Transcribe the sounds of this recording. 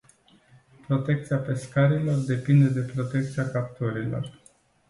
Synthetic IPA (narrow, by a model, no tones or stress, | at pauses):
pɾo̞t̪e̞k̚t̪siape̞skaɾilo̞rd̪e̞pind̪e̞d̪e̞pɾo̞t̪e̞k̚t̪siakap̚t̪oɾilo̞̰r